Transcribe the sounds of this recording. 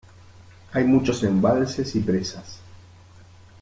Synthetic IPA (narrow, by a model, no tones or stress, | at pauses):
ajmut͡ʃo̞sembalsesipɾesas